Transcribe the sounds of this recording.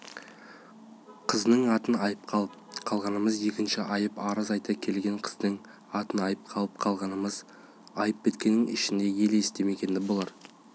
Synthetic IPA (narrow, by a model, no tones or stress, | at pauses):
qʰəznəɴɑt̪ənɑjəp̚qʰɑlˠəpqʰɑlˠʁɑnəməzje̞kʲɪnʃɪʔɑjəpɑɾəzɑjt̪ɑkʲʰe̞lɡʲe̞ɴqʰə̥zd̪əŋ | ɑt̪ənɑjəp̚qʰɑlˠəp̚qʰɑlˠʁɑnəməz | ɑjəp̚bʲe̞t̪̚kʲe̞nːɪŋɪ̰ʃɪnd̪e̞je̞leɪst̪e̞me̞kʲe̞nd̪ɪbolˠɑɾ